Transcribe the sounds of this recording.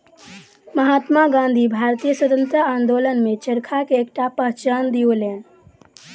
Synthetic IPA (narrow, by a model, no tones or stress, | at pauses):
məɦaːt̪maɡãnd̪ʱibʱaɾt̪ijəsəd̪ənt̪ɾəaːnd̪olənmet͡ʃəɾkʰakeːkʈapəɦt͡ʃand̪iolẽ